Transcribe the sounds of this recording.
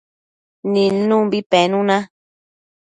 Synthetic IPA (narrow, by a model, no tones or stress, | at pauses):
ninũmbipɛnũnã